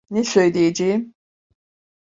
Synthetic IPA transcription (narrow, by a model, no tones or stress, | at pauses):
nesø̞jlʲejed͡ʒejim